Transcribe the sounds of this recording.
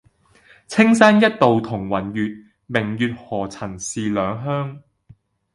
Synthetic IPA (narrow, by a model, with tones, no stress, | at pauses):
t͡sʰɪ˥ŋsa˥njɐ˥t̚t̪ːo˨wt̪ʰʊ˨˩ŋwɐ˨˩njyː˨˧t̚ | mɪ˨˩ŋjyː˨˧t̚hɔː˨˩t͡sʰɐ˨˩nsiː˨˧lœː˨˧ŋɦœː˥ŋ